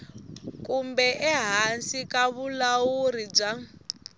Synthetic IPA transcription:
kumbɛʔɛɦansikaβulawuɾib͡ʐa

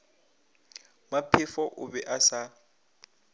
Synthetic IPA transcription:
mapʰɪfɔʔʊbɛʔasa

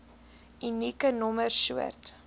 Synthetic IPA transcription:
ynikənɔmərʃuə̰rt

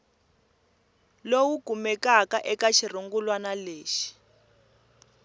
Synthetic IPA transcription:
lowuɡumɛkakaʔɛkaʃir̤uŋɡulwanaleːʃi̥

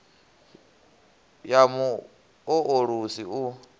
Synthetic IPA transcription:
jamu | ɔʔoɺusiu

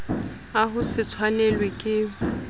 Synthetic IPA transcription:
aɦʊsɪt͡sʰwanɛlwekʼɪ

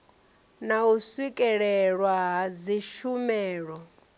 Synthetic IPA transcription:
nauswikʼɛɺɛɺwaɦad͡ziʃumɛːɺɔ

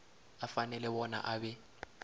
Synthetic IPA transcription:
afanɛlɛbɔna̰ʔabɛ

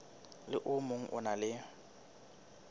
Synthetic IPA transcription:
lɪʔʊmoŋ̩ʔʊ̰nalɪ

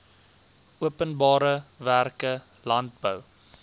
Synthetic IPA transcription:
uəpənbɑːɾəværkə | lɐnt̚bəw

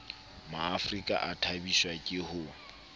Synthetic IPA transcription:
maːfrikʼa̰ʔatʰabiʃwakʼɪhʊ

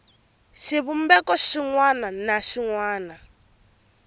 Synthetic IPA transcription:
ʃiβum̩bɛkɔʃiŋwananaʃiŋwaːna

